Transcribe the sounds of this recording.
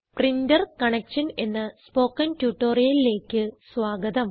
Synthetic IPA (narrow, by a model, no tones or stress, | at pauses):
prindɐrkɐɳekʂɐne̞nːɨspo̞ːkːɐntjuʈːo̞ːrijɐlile̞ːkʲːɨsʋaːɡɐd̪ɐm